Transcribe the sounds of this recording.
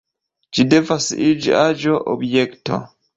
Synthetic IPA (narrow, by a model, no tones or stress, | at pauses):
d͡ʒidevasʔid͡ʒḭad͡ʒoʔo̰bjekto̰